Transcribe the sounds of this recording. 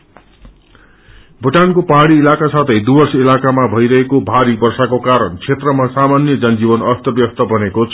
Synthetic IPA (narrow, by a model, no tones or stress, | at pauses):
bʱuʈankopʌɦaɽiːlakasat̪ʰʌjd̪ubʌrsʌilakamabʱʌjɾʌɦekobʱaɾibʌrsakokaɾʌnt͡sʰet̪rʌmasamanjʌd͡zʌnd͡zibʌnʌst̪ʌbjʌst̪ʌbʱʌnekot͡sʰ